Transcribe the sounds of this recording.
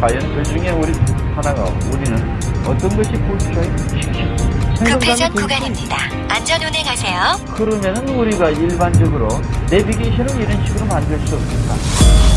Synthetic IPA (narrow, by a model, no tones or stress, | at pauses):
kwajʌntɯɭd͡ʑuŋe̞uɾi | anaɡa̰ | uɾinɯn | ʌt͈ʌnɡʌɕʰipoɕʰikʰaeɡɯɕʰiɡɕʰisʰeŋɡʌŋɡaɡiʌnukɭuɡaɲiɲida | and͡ʑʌnoneŋɦasʰe̞jokɯɾʌmjʌnɯnuɾiɡaiɭband͡ʑʌɡɯɾone̞biɡeɕʰʌnɯniɾʌnɕʰiɡɯɾomandɯɭs͈uʌs͈ɯmɲik͈a̰